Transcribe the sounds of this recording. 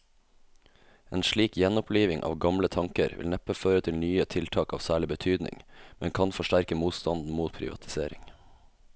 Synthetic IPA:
eːnʃɭiːkjɛnɔpʰliːʋɪŋʔɑ̰ːʋɡɑmlət̪ʰɑŋkəɾʋɪ̰lnɛpəføːɾət̪ʰɪlnyːət̪ʰɪlt̪ʰɑːkɑːʋsæːɭɪbət̪ʰyːd̪nɪ̰ŋmɛnŋkʰɑnfɔʃʈæɾkəmuːt̪st̪ɑnd̪n̩muːt̪̚pʰɾɪ̰ʋɑ̰t̪ʰɪ̥sḛːɾɪ̰ŋ

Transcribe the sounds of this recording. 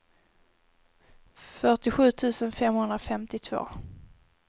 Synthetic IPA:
fœʈɪɧʉ̟ːt̪ʰʉ̟ːsənfɛmhɵnd̪ɾafɛmt̪ɪt̪ʰv̥o̰ː

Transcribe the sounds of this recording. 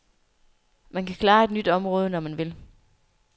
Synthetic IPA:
mænkʰækʰlɑ̈ːe̝d̥nyd̥ɒ̽mʁɔːð̞ˠənɒmænʋe̝l

